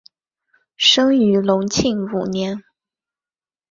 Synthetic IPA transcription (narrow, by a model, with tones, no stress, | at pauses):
ʂɤ˥ŋy˧˥lʊ˧˥ŋt͡ɕʰi˥˩ŋu˨˩njɛ˧˥n